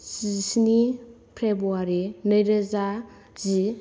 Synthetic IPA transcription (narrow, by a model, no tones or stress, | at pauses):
zisni | pʰɾebuaɾinəjɾeza | zi